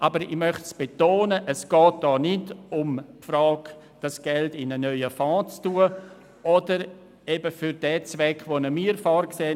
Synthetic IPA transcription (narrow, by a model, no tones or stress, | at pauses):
ʔabəɾɪmœχtsb̥etoːnəʔəsɡ̥ɔːt̚d̥ɔːnɪdʊmpfɾɔːk | d̥asɡ̥ɛltɪnənœʏəfɑ̃ːt͡stuːə | ʔɔdəɾ | ebəfʏɾdɛːt͡sʋɛkʰvonəmiːɾfɔːɾkseː